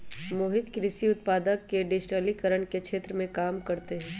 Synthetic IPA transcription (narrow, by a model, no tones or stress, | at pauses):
moːɦɪd̪kɾɪsiʊt̪̚paːd̪əkːeɖɪʃʈəlikəɾəɳkeʃʰeːt̪ɾəmẽkaːmkɐɾt̪eɦɛ̃ː